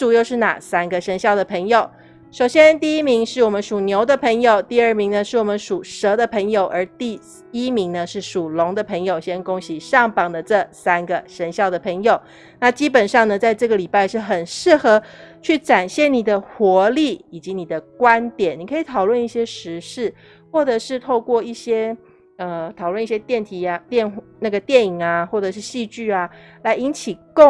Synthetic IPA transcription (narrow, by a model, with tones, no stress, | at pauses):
ʈ͡ʂu˨˩jo˥˧ʊʂɻ̩˥˩na̰˨˩sa˥nɡə˨ʂə˧˥nɕjɑ˥˩ʊd̪ə˩pʰɤ˧˥ŋjo˨˩ʊ | ʂo˨˩ʊɕjɛ˥nt̪i˥˧i˥mi˧˥ŋʂɻ̩˥˩wɔ˨˩mə˦nʂu˨˩njo˧˥ʊd̪ə˧pʰə˧˥ŋjo˨˩ʊt̪i˥˧ə˥˩mi˧˥ŋnə˧ʂɻ̩˥˩wɔ˨˩mə˧˦nʂu˨˩ʂɤ˧˥d̪ə˧pʰə˧˥ŋjo˨˩ʊʔə˞˧˥t̪i˥˩ | i˥mi˧˥ŋnə˧ʂɻ̩˥˩ʂu˨˩lʊ˧˥ŋd̪ə˧pʰɤ˧˥ŋjo˨˩ʊɕjɛ˥nkʊ˥ŋɕi˨˩ʂɑ˥˩ŋpɑ˨˩ŋd̪ə˨ʈ͡ʂɤ˥˩sa˥nɡə˨ʂə˧˥nɕjɑ˥˩ʊd̪ə˩pʰɤ˧˥ŋjo˨˩ʊ | na˥˩t͡ɕi˥pə˨˩nʂɑ˥˩ŋnə˩t͡sa˥˧ɪʈ͡ʂɤ˥˩ɡə˩li˨˩pa˥˧ɪʂɻ̩˥˩xə˨˩nʂɻ̩˥˩xɤ˧˥t͡ɕʰy˥˩ʈ͡ʂa˨˩nɕjɛ˥˩ni˨˩d̪ə˦xwɔ˧˥li˥˩i˨˩t͡ɕi˧˦ni˨˩d̪ə˦kwa˦nt̪jɛ˨˩ni˨˩kʰɤ˧˥i˨˩t̪ʰɑ˨˩ʊwə˥˧ni˥˩ɕjɛ˥ʂɻ̩˧˥ʂɻ̩˥˩ | xwɔ˥˩ʈ͡ʂɤ˨˩ʂɻ̩˥˧t̪ʰo˥˧ʊkwɔ˥˧i˥˩ɕjɛ˥ | ə˧˩t̪ʰɑ˨˩ʊwə˥˧ni˥˩ɕjɛ˥t̪jɛ˥˩nt̪ʰi˨˧˥a˧t̪jɛ˥˧nna˥˩ɡə˩t̪jɛ˥˩ni˨˩ŋa˩xwɔ˥˩ʈ͡ʂɤ˨˩ʂ̬ɻ̩˥˧ɕi˥˧t͡ɕy˥˩a˩la˧˥ɪi˧˥nt͡ɕʰi˨˩kʊ˥˨